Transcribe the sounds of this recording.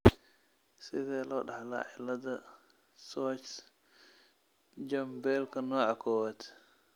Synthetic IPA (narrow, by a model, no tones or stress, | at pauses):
sidɛlɔɗahala̰ʔɛlada | sɔt͡ʃ | d͡ʒambɛlkanɔʔakɔwatɛ̥